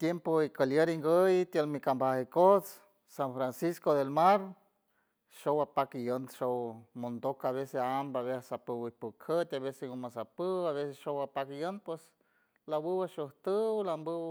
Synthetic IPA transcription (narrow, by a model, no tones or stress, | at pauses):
t̪jempoikəljeɾiŋɡəjt̪jəlmikambahekot͡s | sanfɾansiskod̪elmaɾ | ʃowapakijonʃowmond̪okaβeseambaβeasapɨwɨpukʰət̪ʲaβeseɡomasapəwaβesesʃowapakijonpwes | labɨwaʃoht̪əwlambɨw